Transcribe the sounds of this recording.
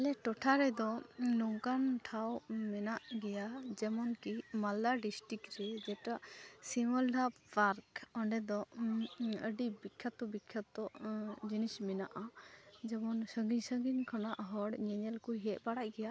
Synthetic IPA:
ɛlɛʈɔʈʰaɾɛd̪ɔːɔŋkanʈʰawmɛnaʔɡɛjad͡ʒɛmɔnkimald̪aɖisʈɾikɾɛd͡ʒɛʈasiməlɖappaɾkɔɳɖɛd̪ɔ | əɖibikʰːat̪ɔbikʰːat̪ɔd͡ʒinismɛnaʔad͡ʒɛmɔnsəŋɡiɲsəŋɡiɲkʰɔnaʔɦɔɽɲɛɲɛlkujɦɛʔ̚baɽaʔ̚ɡɛja

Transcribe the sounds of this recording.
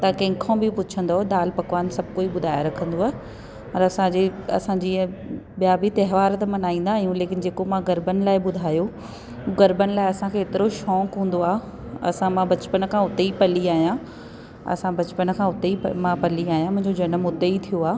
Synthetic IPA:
t̪ɐkɐ̃ːɪ̃kʰõbɪpʊt͡ɕʰə̃nd̪oɦɗaːlpɐkʋaːnsɐb̚ʱkoːiɓʊd̪ʱaːjaɾɐkʰə̃nd̪oaːɦɪ | ɐɾɐsãd͡ʑeɐ̰sãɲd͡ʑĩːɓijabit̪ɐɦʋaːɾt̪̬ɐmɐnaːĩːn̆d̪aːɦjũleːkɪn̆d͡ʑeːkomãɡɐɾbənɪ̆laːɪɓʊd̪ʱaːjo | ɡɐɾbənɪ̆laːɪɐsãkʰeːt̪ɪɾoʃɔ̃ːkɦũːn̆d̪oaː | ɐ̰sãmãbɐt͡ɕpənkʰãːʊt̪eipɐliaːɦijã | ɐ̰sãbɐt͡ɕpənkʰãʊt̪eimãpɐliaːɦijãmʊ̃ɦɪ̃ɲd͡ʑod͡ʑɐnəmːʊd̪eit̪ʰijoaː

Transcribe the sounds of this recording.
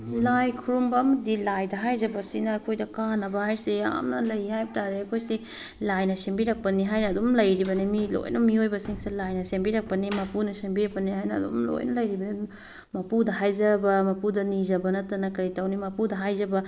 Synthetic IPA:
lajkʰuɾumbɐmdilajdɐɦajzɐbɐsinɐːkʰojdɐkanːɐbɐhajsija̰mnɐlɐjhajbɐtaɾeɐkʰojsi | lajnɐsembiɾɐk̚pɐniɦajnɐːdomlɐjɾibɐnimilo̰jnʔɐmiojbɐsiŋselajnɐsembiɾɐk̚pɐnimɐpunɐsembiɾɐk̚pɐnihajnɐ̰ːdo̰mlo̰jnɐlɐjɾibɐni | mɐpudɐɦajzɐbɐmɐpudɐnizɐbɐnɐtɐnɐkɐɾitɐwnimɐpudɐɦajzɐbɐ

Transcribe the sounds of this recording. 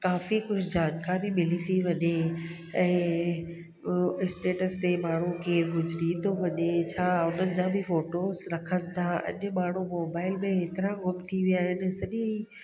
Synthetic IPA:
kaːfikʊd͡ʑʰd͡ʑaːnkaːɾimɪlit̪ʰiʋɐɲe | ɛ̃ː | ɪsʈeːʈəst̪emaːɳ̤ukeːɾɦʊd͡ʑɾit̪ʰoʋɐɲet͡ɕʰaːʊnənɪ̆d͡ʑãːbʱɪfoːʈoːzɾɐkʰənɪ̆t̪ʰaɐ̰ʄʊ̆maːɳ̤umoːbaːɪlmẽeːt̪ɪɾãɡʊpt̪ʰiʋijaːɦenɛsɐʄĩi

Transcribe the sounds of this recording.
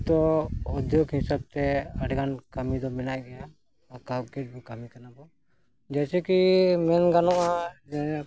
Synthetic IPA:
t̪ɔɔd̪ʱjokɦĩsab̚t̪ɛaʈɡankamid̪ɔmɛnajɡɛjaː | kaɡɛʈ̚bɔkamikanabɔ | d͡ʒɛt͡ʃɛkimɛnɡanɔʔad͡ʒɛ

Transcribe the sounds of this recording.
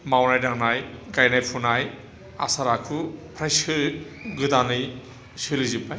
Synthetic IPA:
mawnajdaŋnajɡajnajpʰunaj | a̰saɾakʰupʰɾajsɯ | ɡɯdanɯj | sɯlɯzipaj

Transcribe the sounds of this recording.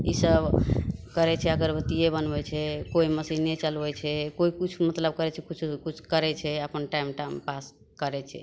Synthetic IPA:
isəbkəɾɛt͡ʃʰɛəɡəɾbət̪ijebənbɛt͡ʃʰɛkoiməsiɦnɛt͡ʃəlbɛt͡ʃʰɛkoikut͡ʃʰumət̪ləb̚kəɾɛt͡ʃʰɛkut͡ʃʰukut͡ʃʰkəɾɛt͡ʃʰɛəpənʈaimʈampas | kəɾɛt͡ʃʰɛ̰

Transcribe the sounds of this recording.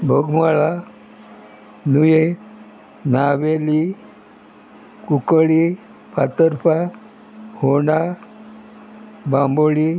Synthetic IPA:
bʱəɡməɭa | nuje | naʋeli | kukəɭi | pʰat̪əɾpʰa | hoɳa | bãmboɭi

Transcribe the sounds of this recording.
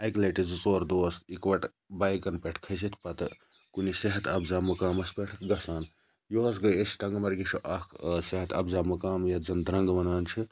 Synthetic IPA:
ɐjklɐʈizt͡soːɾd̪oɐst̪ikʋɐʈ | bajkɐnpeʈʰkʰɐjs̬it̪ʰpɐt̪ | kuniseɦɐt̪ʰɐbzaːmɐkaːmɐspeʈʰɡɐsaːn | joɐs̬ɡɐjesi̥ʈɐŋɡmɐɾɡiʃʰoʔɐkʰseɦɐt̪ɐ̰bzaːmɐkaːmjɐzɐnd̪ɾɐŋɡʋɐnaːnt͡ʃʰi

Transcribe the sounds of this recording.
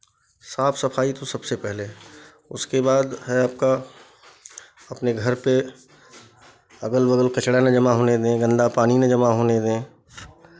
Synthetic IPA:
saːpʰsɐpʰaːit̪osɐbsepɛɦle | ʊ̰skebaːd̪ɦɛaːp̚ka | ɐpneɡʱɐɾpe | ɐɡəlbəɡəlkɐt͡ʃɽanad͡ʒɐmaɦoːned̪ẽːɡɐ̃nd̪apaːninẽd͡ʒɐmaɦoːned̪ẽː

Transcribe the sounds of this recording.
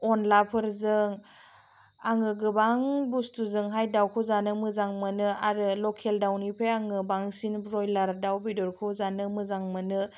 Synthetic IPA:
ɔnlapʰɯɾzɯŋ | aŋɯɡɯbaŋbustuzɯŋɦajdawkʰɔzanɯmɯzaŋmɯnɯaɾɯlɔkʰeldawnipʰeaŋɯbaŋsinbɾɔjlaɾdawbidɔɾkʰɔzanɯmɯzaŋmɯnɯ

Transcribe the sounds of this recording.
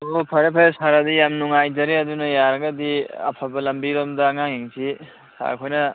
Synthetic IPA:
opʰɐɾepʰɐɾesaɾad̪ijamnuŋajd͡ʒɐɾeɐd̪unɐjaɾɡad̪ia̰pʰabɐlɐmbiɾɔmdaŋaɦiŋsʰi | sa̰kʰɔjnɐ

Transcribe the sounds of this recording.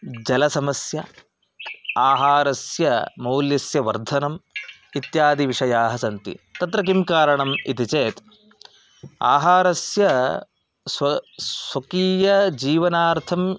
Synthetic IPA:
d͡ʒɐlɐsɐmɐsjɐ | aːɦaːɾɐsjɐmɐwljɐsjɐʋɐɾd̪ʱɐnɐm | it̪jaːd̪iʋiʂɐjaːɦɐsɐnt̪ḭt̪ɐt̪ɾɐk̬imkaːɾɐɳɐmit̪it͡ʃeːt̪ | a̰ːɦaːɾɐsjɐ | sɐsɐkiːjɐd͡ʒiːʋɐnaːɾt̪ʰɐm

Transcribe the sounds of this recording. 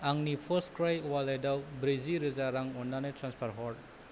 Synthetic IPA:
aŋnipʰɔskɾajwalajdawbɾiziɾɯzaɾaŋɔnːanetɾanspʰaɾɦɔɾɖ̚

